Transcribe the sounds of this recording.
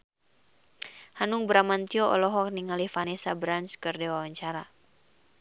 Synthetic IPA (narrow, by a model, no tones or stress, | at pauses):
hanuŋbɾamant̪iɔʔɔ̰lɔɦɔk̚niŋalifanɛsabɾanskɨrdewawaɲt͡ʃaɾa